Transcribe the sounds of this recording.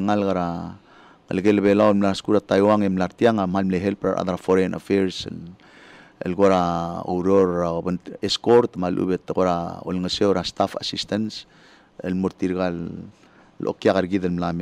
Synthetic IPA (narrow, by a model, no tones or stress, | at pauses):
ŋalɡaɾa | ŋə̰lɡeləβelawlmlaaskuɾat̪ajwaŋemlaɾt̪jaŋamhalmleɦelpɾa̰ɾʔa̰ðaɾafoɾenʔa̰feɾs | ḛlɡoɾao̰wɾoɾaobəneskoɾt̪malʔṵbet̪ɡoɾao̰lŋəsewɾast̪afa̰sist̪ans | elmoɾt̪iɾɡalː | ʔo̰kjaɣaɾɡiðalmlame